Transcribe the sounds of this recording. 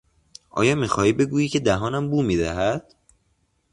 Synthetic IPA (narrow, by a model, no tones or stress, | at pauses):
ʔɒ̰ːjɒːmiːxɒːhiːbe̞ɡuːjiːcʰe̞d̪æɦɒːnæmbuːmiːd̪æɦæd̪̥